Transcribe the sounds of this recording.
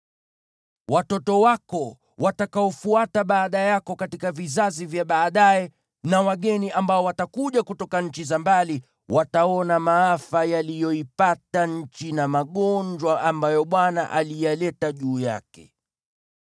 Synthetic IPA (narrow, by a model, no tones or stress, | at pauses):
watɔtɔwakɔ | watakaɔfuataɓaːɗajakɔkatikavizazivjaɓaːɗajɛ | nawaɠɛniʔambaɔwatakuʄakutɔkaɲ̩t͡ʃizambali | wʔataɔnamaafajalijɔipataɲ̩t͡ʃinamaɠɔɲd͡ʒwaʔambajɔɓwanaʔalijalɛtaʄuːja̰kɛ